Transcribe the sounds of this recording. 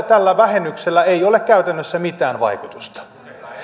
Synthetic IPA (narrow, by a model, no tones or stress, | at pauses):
t̪ælːæʋæhenːykselːæeiolekkæyt̪ænːøsːæmit̪æːnʋɑ̰ikut̪u̥st̪ɑ̥